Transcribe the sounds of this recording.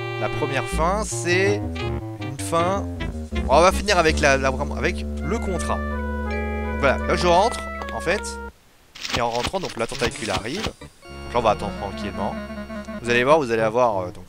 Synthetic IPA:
lapχəmjɛʁfɛ̃sɛ | ynfɛ̃ | ɔ̰̃vafiniʁavɛklalavʁɛmɑ̰̃a̰vɛkləkɔ̃t̪χa | d̪ɔ̃kvwala̰laʒəʁɑ̃t̪χɑ̃fɛt̪ | eɑ̃ʁɑ̃t̪χɑ̃d̪ɔ̃klat̪ɑ̃t̪akʲʰyla̰ʁivd̪ɔ̃klaɔ̃vaːt̪ɑ̃d̪ʁət̪ʰχɑ̃kʲʰilmɑ̃vuzalevwaʁvuzaleavwaʁød̪ɔ̃k

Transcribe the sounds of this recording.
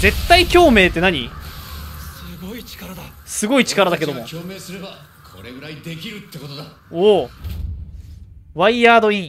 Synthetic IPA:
ze̞t̪ːaikʲo̞ːme̞ːt̪ːe̞naɲ̟ḭ | ssɨɡoit͡ɕi̥kaɾad̪a | sɨɡo̞it͡ɕi̥kaɾad̪ak̬e̞d̪o̞mooːmeːsɨɾeba | kʰoɾeɡɯ̟ɾaid̪ekʲiɾɯ̟t̪ːekot̪od̪a | o | βaijaːd̪o̞ĩ

